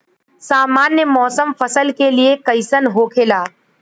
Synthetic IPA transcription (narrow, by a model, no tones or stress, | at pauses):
saːmaːnjəmɔːsəmfɐsəlkeliekɐɪsənɦoːkʰeːlaː